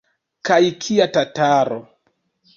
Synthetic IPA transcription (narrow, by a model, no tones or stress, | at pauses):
kajkʰiatataɾo